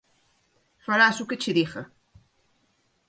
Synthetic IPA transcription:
faɾasuket͡ʃiðixe

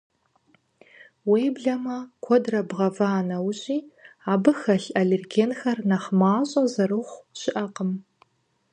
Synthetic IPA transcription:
wejbɮɐmɐkʷʰɔdrɐbʁɐvaːnɐwɕʼiːaːbɨxɐɬʔɐɮɪrɡeːnxɐrnɐχmaːɕʼɐzɐrɨχʷɕɪʔɐqəm

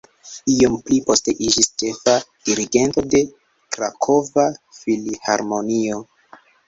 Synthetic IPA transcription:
iomplipo̞ste̞ʔid͡ʒist͡ʃe̞fad̥iɾiɡe̞nto̞de̞ | kɾakʰo̞vafiliha̰ɾmo̞nio̞

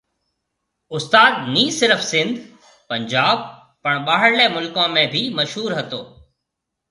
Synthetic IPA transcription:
ʊst̪aːd̪̚niːsɪɾəfsɪ̃nd̪ | pɐ̃ɲd͡ʑaːb̚ | pɐɳɓaːɦɪɽlemʊlkãmẽbʱimɐʃɦuːɾɦɐt̪oː

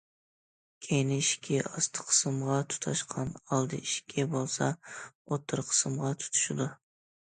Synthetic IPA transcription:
kʲʰejnɪiʃkʲʰɛɑst̪ʰə̥qʰə̥sɨmʁɑt̪ʰu̥t̪ʰɑʃqʰɑnɑlˠd̪ɨ̰iʃkʲʰɛbolˠsɑ̰ot̪ʰːɨɾqʰə̥sɨmʁɑt̪ʰu̥t̪ʰu̥ʃɪd̪u

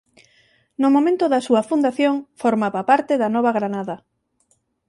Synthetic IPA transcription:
nʊmomẽnt̪ʊðɐsuɐfund̪aθjoŋfoɾmaβɐpaɾt̪eðɐnɔβɐɣɾanaðɐ

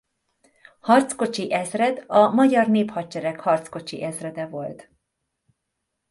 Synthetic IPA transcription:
hɒrt̪sko̞t͡ʃiʔɛzrɛd̪ɒmɒɟɒrneːphɒt͡ʃɛɾɛkhɒrt̪sko̞t͡ʃḭʔɛzrɛd̪ɛvo̞lt̪

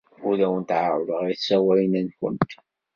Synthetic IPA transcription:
ʊɾæwənt̪ʕaʕʊləʁiθsæwæjənænkʊ̰nt̪

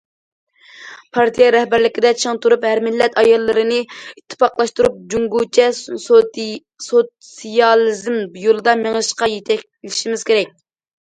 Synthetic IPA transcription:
pʰɑɾt̪ʰijɑɾhbæɾlɪkʲɪd̪ɛt͡ʃʰɨŋt̪ʰuɾuphæɾmɪlːɛt̪ɑjɑlˠːɨɾɨnɨit̪ʰːɪ̥pɑqlˠɑʃt̪uɾup̚d͡ʒuŋɡut͡ʃʰɛ | so | sijɑlˠizmjolˠɨd̪ɑmeŋɨʃqɑjet̪ʰɛk̚ʲ | lɪʃimɪz̥kʲʰeɾɛk̚ʲ

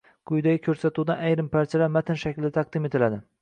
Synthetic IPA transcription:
kʰʊjd̪aɡʲɪkʲʰɵɾsat̪ʰud̪anajɾɪmpaɾt͡ʃʰalaɾmat̪ʰɪnʃakʲlɪd̪at̪ʰɑq̚d̪ɪme̞t̪ɪlad̪ɪ

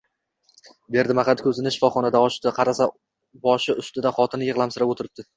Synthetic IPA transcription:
be̞ɾd̪ɪmaχat̪kʲʰɵzɪnɪʃɪ̥fɒχɒnad̪aɒʃt̪qʰɑɾasa | bɒʃɪʊst̪ɪd̪aχɒt̪ʰɪnjɨʁlˠamsɪɾapot̪ʰɪɾɪp̚d̪ɪ

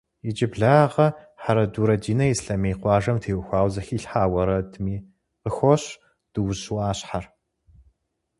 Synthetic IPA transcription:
jɪd͡ʒɪbɮaːʁɐ | ħaɾɐduːɾɐdiːnɐjisɬɐmeːqʷɑːʒɐmtʰeːwʊxʷɑːwzɐxiːɬħaːwɐɾɐdɨmiː | qəxʷɔɕ | d̥ɨwʊɕuaːɕħar

